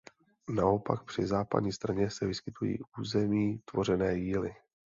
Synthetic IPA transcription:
nao̞pa̰k̚pr̝̥ɪzaːpa̰d̪ɲiːst̪ɾaɲɛsɛvɪskɪt̪ujḭːʔuːzɛmiːt̪vo̞r̝ɛnɛːjiːlɪ

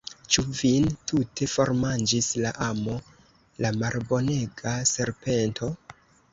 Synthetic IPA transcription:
t͡ʃuvintʰute̞fo̞ɾmand͡ʒislaʔamo̞ | lamalbo̞ne̞ɡase̞ɾpe̞ntʰo̞

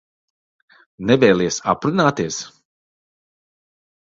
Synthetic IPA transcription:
nɛvɛjlˠʲiɛsapɾunaːt̪iɛs

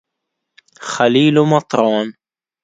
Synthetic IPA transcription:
xaliːlumɑt̪ˤɾˤɑːn

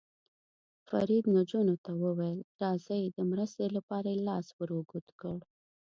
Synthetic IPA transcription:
fa̰ɾid̪nad͡ʒunot̪awəwejlɾɑzəjd̪əmɾəst̪elapɑɾajelɑswəɾuɡut̪kəɽ

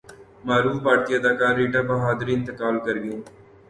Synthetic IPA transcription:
maːɾuːfbaːɾt̪iɐd̪aːkaːɾːeːʈaːbɐɦaːd̪əɾiɪ̃nt̪ɪkaːlkɐɾɡəjõː

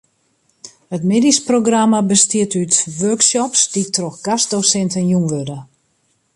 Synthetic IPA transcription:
hətmedisproɡramabəstiətytʋørksɔpsd̥itroxɡ̥asdosɛntənjunʋødə

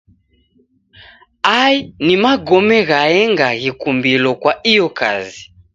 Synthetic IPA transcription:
ainimaɡɔmɛɣaɛŋɡaɣikumbilɔkwaijɔkʰa̰zi

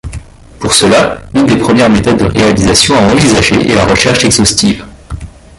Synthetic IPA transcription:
puʁsəlaynd̪epχəmjɛʁmet̪ɔd̪ːəʁealizasjɔ̃aɑ̃vizaʒḛʔḛla̰ʁəʃɛʁʃɛɡzɔst̪ʰiːv

